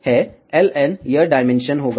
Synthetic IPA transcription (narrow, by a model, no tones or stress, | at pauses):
hɛ | elenjəɾɖajmenʃənɦoɡa